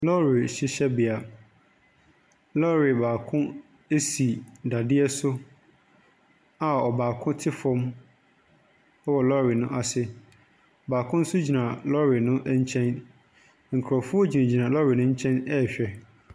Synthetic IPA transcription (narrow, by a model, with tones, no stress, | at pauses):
lɔ˦ɾi˨ɕi˦ɕɛ˦bɪ˨a˨ | lɔ˦ɾi˨baː˨kʰʊ̃˦ | e˦si˨da˨dɪ˦ɛ˦sʊ˦ | a˨ɔ˨baː˨kʰʊ̃˦tʰɪ˦fɔ̃˦m | ɔ˦wɔ˨lɔ˦ɾi˨nʊ̃˦ʔa˨sɪ˦˨ | baː˨kʰʊ̃˦n̩˦sʊ˦d͡ʑi˨nã˨lɔ˦ɾi˨nʊ̃˦ʔɲ̩˦t͡ɕʰɛ̃˦n | ŋ̩˨kʰɾɔ˨fʊ˦ɔ˦d͡ʑi˨nã˨d͡ʑi˨nã˨lɔ˦ɾi˨nʊ̃˦ɲ̩˦t͡ɕʰɛ̃˦nɛ˦˨ɕᶣɛ˨